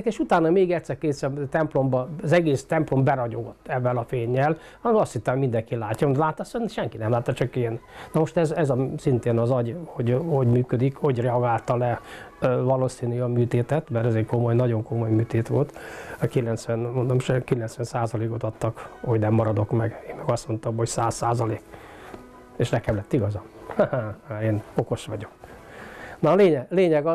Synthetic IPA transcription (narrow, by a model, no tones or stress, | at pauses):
keːʃut̪aːnɒmeːɡɛct̪sɛrkeːsɛmt̪ɛmplo̞mbɒːzɛɡeːst̪ɛmplo̞mbɛɾɒɟo̰ɡot̪ːɛvːɛlɒfeːɲːɛl | hɒnɛmɒst̪hit̪ːɛmoɟmind̪ɛŋkilaːcːɒmd̪laːt̪ːɒsønʃɛŋkinɛmlaːt̪ːɒt͡ʃɒkeːnnɒmo̞ʃt̪ɛzɛzɒsint̪eːnɒzɒɟho̞ɟho̞ɟmyːkød̪ikho̞ɟrɛɒɡaːlt̪ɒlɛ | vɒloːsiːnyɒmyːt̪eːt̪ɛt̪mɛɾɛzeːko̞mo̞jnɒɟo̞ŋko̞mo̞jmyːt̪eːt̪ʋo̞lt̪kilɛnt̪sʋɛnmond̪omʃɛkilɛnt̪sʋɛnsaːzɒleːko̞t̪ɒt̪ːɒkho̞ɟnɛmːɒɾɒd̪o̞kmɛɡeːmmɛɡɒst̪mo̞nt̪ɒmho̞csaːsːaːzɒleːk | eːʃnɛkɛmlɛt̪ːiɡɒzɒmhahaaeːno̞ko̞ʃʋɒɟo̞k | nɒleːɲɛɡleːɲɛɡɒ